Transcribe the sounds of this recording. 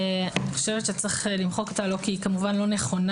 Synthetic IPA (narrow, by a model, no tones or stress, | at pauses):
aniχoʃevetʃet͡sʁeχlimχo̞kot̪alo̞kiːkamuvanlo̞ne̞χo̞n